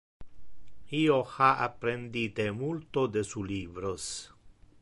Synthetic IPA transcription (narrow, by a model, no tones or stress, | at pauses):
ioxaʔa̰pɾend̪it̪emult̪od̪esulibɾos